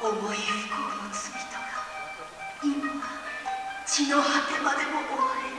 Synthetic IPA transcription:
oboeɾɯkonit͡sɨbʲit̪oɡa | imaa | t͡ɕinohakemad̪e̞moʔoβaɾi

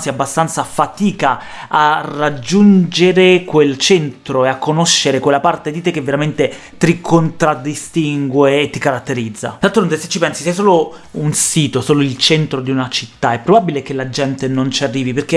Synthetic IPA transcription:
siabːast̪ant̪safat̪iːka | arːad͡ʒːund͡ʒeɾekwelt͡ʃɛnt̪ɾoeakːonoʃːeɾekwelːapart̪ed̪it̪ekːevːeɾament̪e | t̪ɾikʰont̪ɾad̪ist̪iŋɡweːt̪ːikaɾat̪ːeɾid̪zːa̰d̪alt̪ɾont̪ese̥t͡ʃːipɛnsisɛjs̬oːlounsiːt̪osoːloilt͡ʃent̪ɾod̪iunat͡ʃit̪ːaɛpːɾobabilek̟elad͡ʒɛnt̪enont͡ʃiarːiːviperk̟e

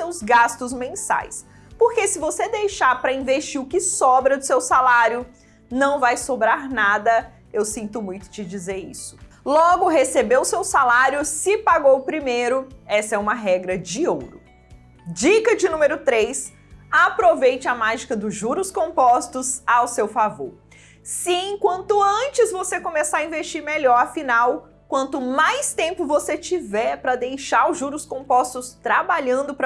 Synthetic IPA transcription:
sewzɡast̪ʊzmẽsa̰js | poɾkesɪvosed̪ejʃaɾpɾɐĩveʃt͡ʃiʊkɪsɔbɾɐd̪ʊsewsalaɾjʊ | nɐ̃w̃vajsobɾaɾnad̪ɐ | ewsĩnt̪ʊmũj̃t̪ʊ̥t͡ʃɪd͡ʒizeɾḭsʊ̥ | lɔɡʊɦesebewʊsewsalaɾjʊsɪpaɡowpɾimejɾʊɛsɐɛũmɐɦɛɡɾɐd͡ʒɪowɾʊ | d͡ʒikɐd͡ʒɪnũmeɾʊt̪ɾejs | apɾovejt͡ʃɪɐmaʒikɐd̪ʊʒuɾʊskõmpɔst̪ʊzawsewfavo̰ɾ | sɪẽkwɐ̃nt̪ʊɐ̃t͡ʃɪzvosekõmesaɐĩvest͡ʃiɾmeʎɔɾɐfinaw | kwɐ̃nt̪ʊmajst̪ẽmpʊvoset͡ʃivɛɾpɾɐd̪ejʃaɾʊʒuɾʊskõpɔst̪ʊst̪ɾabaʎɐ̃nd̪ʊpɾ

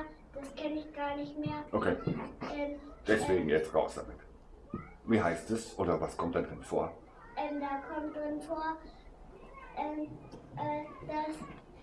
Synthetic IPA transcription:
d̥askʰɛnɪçɡ̥aːɐnɪçtmeːɐʔokʰeːʔɛnd̥ɛseːŋ̩jɛtʁa̰ʊtsa̰mɪt | wiːɦaɪst̚d̥ɪsʔoːɾɐvaskʰɔmt̚d̥andʁɪnfo̰ːɐ | ʔɛnd̥akʰɔmt̚d̥ʁɪnfoːɐ | ʔɛmʔɛd̥as

